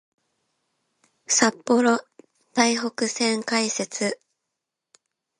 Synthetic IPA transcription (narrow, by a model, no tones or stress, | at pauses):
sapːo̞ɾo̞ | d̪̥aiɦo̞kɯ̟sẽ̞ŋkaise̞t͡sɨ